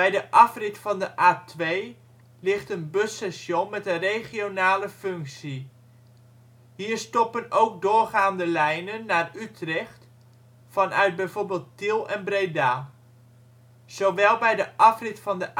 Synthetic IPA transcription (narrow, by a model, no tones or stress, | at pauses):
bɛjdəʔɑfrɪtfɑndəʔaːtʋej | lɪχtənbøsɛsjonmɛtənrejχionaːləføŋksi | ɦiːɹstɔpənowk̚dʊːrχaːndəlɛjnənːaːrytrɛχt | fɑnœ̰ɥd̚bɛjvoːɹbeːlˠtːɪlˠɛnbrejdaːlˠ | z̥oʋɛlˠbɛjdəʔɑfrɪtfɑndəʔ